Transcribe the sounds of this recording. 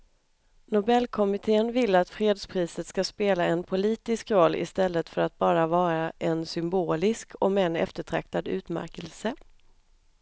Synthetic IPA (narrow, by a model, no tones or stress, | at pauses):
nʊbɛlːkʰɔmɪt̪ʰeːənvɪlːat̪fɾeːd̪spʰɾiːsət̪skaspeːlaɛnpʰʊliːt̪ɪskɾɔlːʔɪ̰st̪ɛlːət̪fœɾat̪̚bɑːɾavɑːɾaʔɛnsʏmboːlɪskʰɔmɛnɛ̰ft̪əʈʰɾa̰k̚t̪ad̪ʉ̟ːt̪mæ̰ɾkəlsə